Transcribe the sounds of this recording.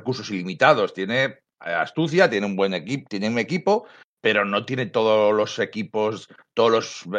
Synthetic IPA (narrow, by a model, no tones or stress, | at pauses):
kuɾso̞silimit̪að̞o̞st̪je̞ne̞ | a̰st̪uθjat̪je̞neumbwe̞nekit̪jeneune̞kipo | pe̞ɾo̞no̞t̪je̞ne̞t̪o̞ðolo̞se̞kipost̪oðolo̞s